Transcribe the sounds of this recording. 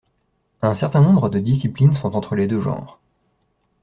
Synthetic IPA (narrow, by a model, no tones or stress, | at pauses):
ɛ̃sɛʁt̪ɛ̃nɔ̃bʁəd̪əd̪is̬iplinsɔ̃t̪ɑ̃t̪χəled̪øʒɑ̰̃ːʁ